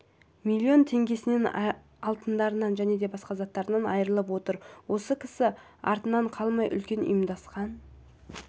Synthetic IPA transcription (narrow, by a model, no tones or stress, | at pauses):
milʲːio̞nt̪ʰe̞ŋɡʲe̞sɪne̞n | ɑlˠt̪ənd̪ɑɾənɑnʒæne̞d̪e̞bɑsqɑzɑt̪ːɑɾənɑnɑjəɾəlˠəpwo̞t̪əɾwo̞səkʲʰɪ̥sɪ | ɑ̰ɾt̪ənɑɴqʰɑlˠmɑjʔʏ̰lkʲe̞nḭjəmd̪ɑsqɑn